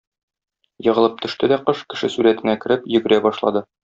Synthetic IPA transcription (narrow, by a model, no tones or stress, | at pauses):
jɤ̆ʁɤ̆lˠɤp̚t̪ʰɵ̆ʃt̪ɘd̪æqɤʃkɘ̆ʃɘsuɾæt̪ɘ̆nækɘ̆ɾɘpjɵ̆ɡɘ̆ɾæbɒʃlˠɑ̰d̪ɤ